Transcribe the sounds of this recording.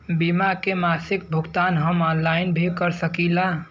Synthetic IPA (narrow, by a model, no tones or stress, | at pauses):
bimakemasɪk̚bʱuɡt̪anɦəmɔnlaɪnbʱikəɾsəkila